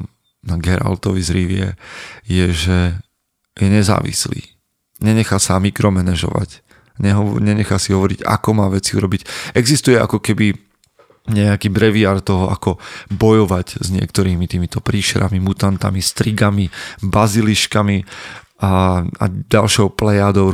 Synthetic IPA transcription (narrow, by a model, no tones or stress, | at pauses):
naɡɛɾa̰lt̪ɔʋizɾiʋɪɛ̰jɛʒɛ | jɛɲɛza̰ːʋḭslḭː | ɲɛɲɛxaːsamikɾɔmɛnɛʒɔ̰ʋa̰c | ɲɛɦɔɲɛɲɛxasiɦɔʋɔɾḭɟa̰kɔmaːʋɛt͡siṵɾɔbicɛɡzist̪ujɛʔa̰kɔkɛbi | ɲɛakiːbɾɛʋiaːɾt̪ɔɦɔʔakɔbɔjɔʋaɟzɲɪɛ̰kt̪ɔɾiːmit̪iːmit̪ɔpɾiːʃɛɾʔamimut̪ant̪a̰mist̪ɾiɡamibaziliʃkami | aa̰ɟalʃɔʊplɛjaːd̪ɔʊ